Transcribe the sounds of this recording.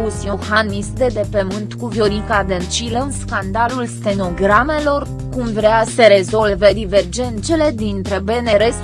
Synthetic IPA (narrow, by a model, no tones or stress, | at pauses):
usioxanmisd̪e̞d̪e̞pəmɨnt̪kuvio̞ɾikad̪ent͡ʃiləɨnskand̪alulst̪e̞no̞ɡɾame̞lo̞r | kumvɾeasəɾe̞zo̞lved̪ive̞rd͡ʒe̞nt̪se̞le̞d̪int̪ɾe̞be̞neɾes